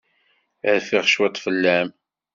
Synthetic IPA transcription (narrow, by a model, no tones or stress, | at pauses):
ʕfiʁʃwæt̪ˤːfəlːæm